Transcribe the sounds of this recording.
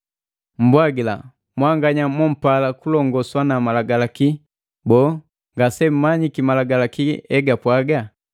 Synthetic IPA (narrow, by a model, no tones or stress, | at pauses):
m̩bwaɡila̰ | mwaŋɡaɲamɔm̩palakulɔŋɡɔswanamalaɡalaki | bɔː | ŋɡasɛm̩maɲikimalaɡalakiɛɡapwaɡa